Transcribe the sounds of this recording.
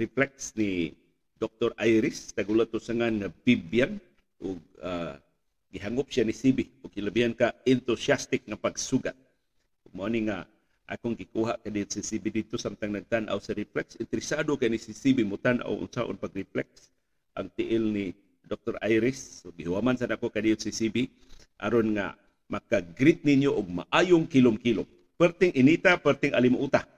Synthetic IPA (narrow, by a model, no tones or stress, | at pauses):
riplɛk̚sni | dɔk̚t̪ɔɾajɾɪst̪aɡulat̪usaŋanŋabibjan | ʔʊɡ̚aː | iɦaŋʊp̚sianisibiʊɡkilabiɦankaɛnt̪usiast̪ɪk̚ŋapaɡsuɡat̪̚ | ʊɡ̚muaniŋa | ʔa̰kʊŋɡɪkuɦaʔkadijʊt̪sisibidid̪̚t̪osamt̪aŋnaɡ̚t̪anʔa̰wsaɾiplɛksɪnt̪ɪɾɪsadokaʔinisisibimʊt̪anʔa̰ʊ̰ʔʊ̰nsaʔʊ̰npaɡɾiplɛks | ʔa̰ŋt̪iʔɪlni | dok̚t̪oɾajɾɪsoɡihuhamansanakokadijʊt̪sisibi | ʔa̰ɾonŋa̰ | makaɡɾɪt̪̚ninjoʔʊɡ̚ma̰ʔajʊŋkilʊmkilʊm | pərt̪ɪŋʔɪnit̪apəɾt̪ɪŋʔalimʊʔut̪a